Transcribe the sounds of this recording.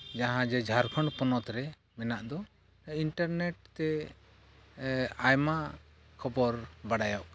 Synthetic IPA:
d͡ʒaɦãd͡ʒɛd͡ʒʱaɾkʰɔɳɖpɔnɔt̪ɾɛ | mɛnaʔd̪ɔ | iɳʈəɾnɛʈ̚t̪ɛ | ajma | kʰɔbɔɾbaɽajɔʔk

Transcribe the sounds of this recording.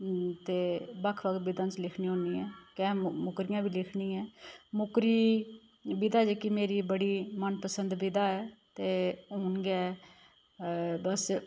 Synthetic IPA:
t̪eːbəkʰʋək̪̚bɪd̪ãːt͡ʃlɪkʰniːõːniːɛːkɛːmʊkɾɪjãːbʱiːlɪkʰniːɛːmʊkɾiː | bɪd̪aːd͡ʒeːkɪmeːɾiːbəɽiːmənpəsənd̪bɪd̪aːɛːt̪eːɦoːnɡɛː | bəs

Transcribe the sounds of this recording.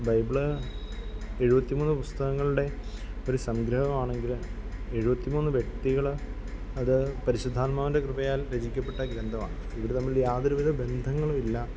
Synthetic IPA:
bɐjbiɭ | e̞ɻubɐt̪ːimuːnːɨpust̪ɐɣɐŋːɐɭuɽe̞o̞ɾusɐmɡɾɐɦɐmaːɳe̞ŋɡile̞ɻubɐt̪ːimuːnːɨʋje̞k̚t̪iɣɐɭ | ɐðɨpɐɾiɕud̪ʱːaːnmaːʋinde̞krɨbɐjaːlɾɐd͡ʑikʲːɐpːe̞ʈːɐɡɾɐnd̪ʱɐma̰ːɳɨiʋɐɽet̪ɐmːiljaːðɐɾuʋid̪ɐbe̞nd̪ʱɐŋːɐɭomilːɐ

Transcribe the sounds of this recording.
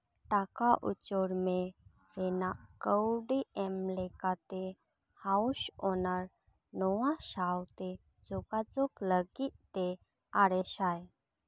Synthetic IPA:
ʈakaʔṵt͡ʃoɾmẽ | ɾenaʔkəwɖiemlekat̪e | hauʃonaɾ | nɔwãʃawt̪e | d͡zoɡad͡zokləɡit̪e | aɾeʃaj

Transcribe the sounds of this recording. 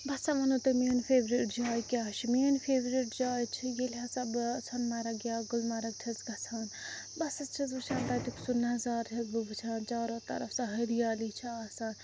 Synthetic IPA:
bɐsãmɐnuːt̪ɐmeːnfʰeːbɾiʈd͡ʒaːjkʲaːʃʰimiːnfʰeːbɾiʈd͡ʒaːjt͡ʃʰijelʲɦasɐbsʰɐnmɐɾɐɡjaːɡʊlmɐɾɐɡ̚ʈʰɐzɡɐsʰaːn | bɐsɐst͡ʃʰɐzbɨt͡ʃʰãːnt̪aːʈiksunɐɦɐzaːɾt͡ʃʰɐzbɨbɨt͡ʃʰaːnt͡ʃaːɾoːt̪ɐ̰ɾɐfsãɦɐɾijaːlit͡ʃʰiaːsaːn

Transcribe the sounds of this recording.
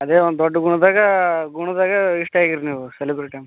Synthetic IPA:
ɐd̪eːond̪d̪ɔɖːɐɡuɳud̪aːɡɐɡuɳud̪aːɡɐiʂʈɐaːɡiɾniːʋuselibɾeʈɐm

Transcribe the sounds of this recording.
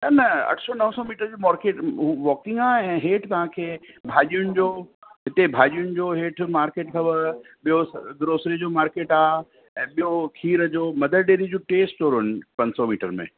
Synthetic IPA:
nɐnɐɐ̰ʈʰsɔnɐɦə̃sɔmiːʈəɾd͡ʑoːmaːɾkeːʈːʋɔːkɪ̃ŋɡaːɛ̃ːɦeːʈʰt̪ɐʋ̤ãkʰeːbʱaːʄijʊnɪ̆d͡ʑoːɦɪt̪ebʱaːʄijʊnɪ̆d͡ʑoɦeːʈʰmaːɾkeːʈkʰɐbə | ɓijosd̪ʊɾoːsɾid͡ʑoːmaːɾkeːʈaː | ɛ̃ːɓijokʰiːɾəd͡ʑoːmɐd̪əɾɖeːɾid͡ʑoːʈeːsʈt͡ɕoːɾɦʊn̆pɐ̃ɲsɔmiːʈəɾmḛ̃ː

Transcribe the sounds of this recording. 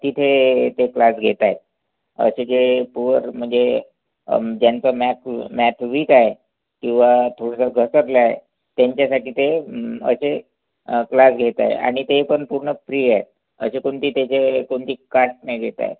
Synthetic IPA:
t̪it̪ʰet̪eklasɡʱet̪aje | ə̰sed͡ʑepuəɾm̤əɳd͡ze | d͡ʑjant͡səmæt̪ʰmæt̪ʰʋiːkaɦe | kĩw̃ʋat̪ʰoɽəsəɡʱəsəɾləaɦḛ | t̪jaɲt͡ɕjasaʈiːt̪eə̰se | klasɡʱet̪a̰j̰a̰ɽ̃it̪epəɳpuɾɳəpɾiːaet̪̚ | ə̰sekoɳt̪iːt̪et͡ɕekoɳt̪iːkaʈnajɡʱet̪a̰j

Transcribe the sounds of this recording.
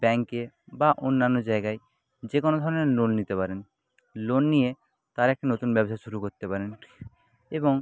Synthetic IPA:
bɛŋke | baʔonːanːod͡ʑaeɡae | d͡ʑekonod̪ʱɔɾoneɾlolnit̪epaɾen | lonːie | t̪aɾɛk̚ʈinot̪unbɛboʃaʃuɾukoɾt̪epaɾen | eboŋ

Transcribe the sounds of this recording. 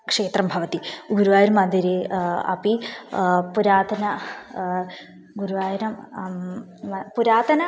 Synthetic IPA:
kʂeːt̪rɐmbʱɐʋɐt̪iɡuɾuʋaːjiɾɐmɐnd̪iɾeɐ̰pi | puɾaːt̪ɐnɐ | ɡuɾuʋaːjɐnɐm | ɐpuɾaːt̪ɐnɐ

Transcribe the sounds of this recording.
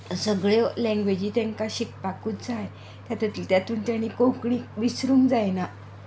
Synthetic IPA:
səɡɭjɔlɛ̃ŋɡʋed͡ʑiːt̪ɛ̃ŋkaɕik̚pakuːt̪d͡zaj | t̪jat̪at̪iːlt̪jat̪uːnt̪jaɽ̃ikõwkɳikʋisɾuːŋd͡zajna

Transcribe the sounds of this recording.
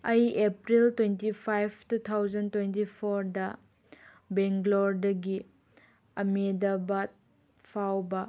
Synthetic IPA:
ɐjepɾiltwentipʰajpʰtutʰawzɐntwentipʰoɾdɐ | beŋɡloɾdɐɡi | ɐmedɐbɐt̚ | pʰawbɐ

